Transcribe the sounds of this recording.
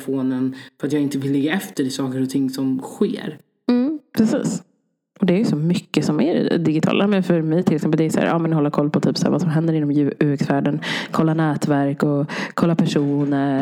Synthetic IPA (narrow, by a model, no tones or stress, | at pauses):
foːnənfœɾat̪jɑɡɪnt̪əvɪlːɪɡːaɛft̪əɾɪsɑːkəɾɔt̪ʰɪŋːsɔmɧḛːɾ | m̩pʰɾɛsḭːs | ɔd̪ɛæɾjʏsɔmʏkːəsɔmæɾɪ̰d̪ɪɡɪt̪ʰɑ̰ːlamɛnfœɾmɛjt̪ʰɪlɪksɛmpːəld̪ɛɾjsæ̰ːɾʔɑ̰ːmɛnhɔlːəɾkʰɔlːpʰɔt̪ʰyːpsæ̰ːɾva̰ːsɔmɦɛnd̪əɾɪnːɔmjʉʉːɛksvæːɖənkʰɔlːanɛːt̪væɾkɔkʰɔlːapʰæʂuːnə